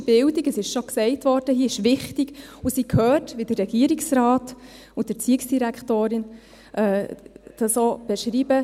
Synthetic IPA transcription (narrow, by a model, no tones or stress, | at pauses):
b̥ɪldiɡəsɪʃʃoksɛɪtvɔɾd̥əɦiːɪʃʋɪχtiɡ̥usikʰhœːɾtʋid̥ərːɛɡ̥iəɾiksrɾaːt | ʊd̥əɾt͡siəksd̥iɾækχtoːɾɪn | ʔɛːd̥ɑsob̥ɛʃɾiːbə